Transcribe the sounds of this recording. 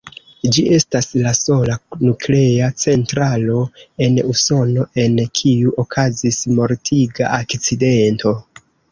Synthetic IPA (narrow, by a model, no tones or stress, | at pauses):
d͡ʒie̞staslaso̞lanukle̞at͡se̞ntɾalo̞e̞nuso̞no̞ʔe̞nkʰiuʔokʰazismo̞ɾtʰiɡa̰ʔakt͡side̞nto̞